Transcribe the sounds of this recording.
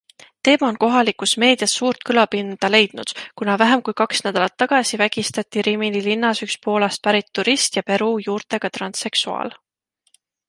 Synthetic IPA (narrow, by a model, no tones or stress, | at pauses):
t̪e̞ːmɑo̞nko̞ɦɑlikːˑusme̞ːd̪̥jɑsːuːɾt̪̚kɯlɑpind̪̥ɑle̞jd̪̥̚nud̪̥kunɑvæɦemkujkɑksnæd̪̥ɑlɑt̪ːɑɡ̥ɑsivæɡ̥ist̪ɑt̪ːˑiɾiminilinːɑsykspo̞ːlɑst̪̚pæɾit̪ːuɾist̪jɑpe̞ɾujuːɾt̪e̞ɡ̥ɑt̪rɑnse̞ksuɑ̰ːl